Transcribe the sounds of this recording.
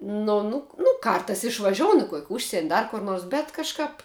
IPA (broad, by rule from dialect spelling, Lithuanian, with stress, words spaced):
ˈnʊ nʊ nʊ ˈkɐrtɐɪs ɪʃʋɐˈʒʲoːʊnʊ kuɔkʲ ˈʊʃʲsʲiɛnʲ ˈdɐr kʊr ˈnuɔrs bʲɛt kɐʃˈkɐp